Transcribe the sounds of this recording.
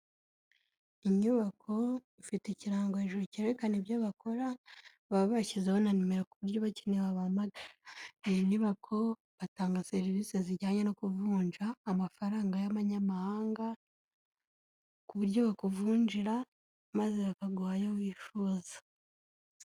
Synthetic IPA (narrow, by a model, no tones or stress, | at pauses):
iɲuβakʰo̞ | ifiteciɾaːŋɡoheʒuɾoceɾekaneβjaβako̞ɾa | βaββacizehonanimeɾekuβuɾɟo̞βacineβaβamaɡaɾeniβakʰo̞ | βataːŋɡase̞ɾiviseziɾɟaːɲeno̞kuvuːɲd͡ʒaːmafaɾaːŋɡajaβaɲamahaːŋɡa | kuβuɾɟoβakuvuːɲd͡ʒiɾa | mazeβakaɡwaːjowiːfuzḁ